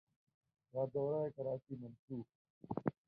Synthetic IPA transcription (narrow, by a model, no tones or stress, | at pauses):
ɾaːd̪oːɾaːekɐɾaːt͡ʃiːmɐnsuːk̚